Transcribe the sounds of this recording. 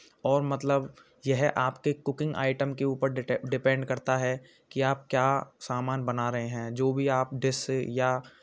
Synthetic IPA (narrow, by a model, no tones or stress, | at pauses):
ɔːɾmɐt̪ləb | jɛɦʔaːpkekʊkɪ̃ŋɡa̰ːɪʈəmkeuːpəɾɖɖɪpɛ̃ːɳɖkɐɾt̪aɦɛ | kiaːp̚kjaːsaːmaːnbɐnaɾɐɦeɦɛ̃ːd͡ʒoːbʱiaːp̚ɖɪsja